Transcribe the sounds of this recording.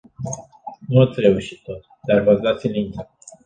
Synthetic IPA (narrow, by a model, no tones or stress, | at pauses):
nuat̪sʲɾe̞uʃi̥t̪ːot̪ | d̪arvasd̪at̪sʲilint̪a